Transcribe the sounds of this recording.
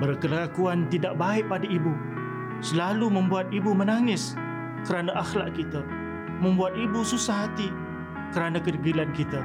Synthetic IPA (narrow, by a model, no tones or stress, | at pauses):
bərkəlakuant̪idaʔ̚baɪʔ̚padaibu | səlalumə̃mbuat̪̚ibumənaŋɪs | kəɾanaʔaxlaʔkit̪a | mə̃mbuat̪̚ibususaɦat̪i | kəɾanakərɡilankit̪a